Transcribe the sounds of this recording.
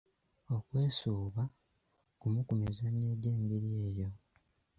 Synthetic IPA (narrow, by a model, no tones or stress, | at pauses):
o̞kwe̞ːsuːβa | kumukumizaneɟeːŋɡeɾjeːjo̞